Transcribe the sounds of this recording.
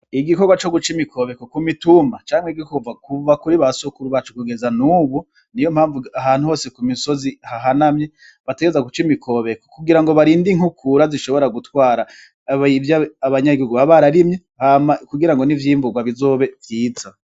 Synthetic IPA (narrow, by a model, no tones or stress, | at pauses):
iɡikoɡwat͡ʃo̞ɡut͡ʃimikʰo̞βe̞kokumitumat͡ʃaːmweɡikovakuvakuɾiβasokuɾuβat͡ʃukuɡe̞zanuːβu | nijo̞m̥haːɱvuaɦaːnhuho̞ːse̞kumiso̞zihaɦanamɲe̞ | βateɡezaɡut͡ʃimikʰo̞βe̞kokuɡiɾaŋɡo̞βaɾiːndiŋhukʰuɾaziʃo̞βo̞ɾaɡutwaːɾa | ivjaaβaɲaɡihuɡuβaβaɾaɾimɲe | hamakuɡiɾaŋɡonivjiːɱvuɡwaβizo̞ːβe̞vjiːt͡sa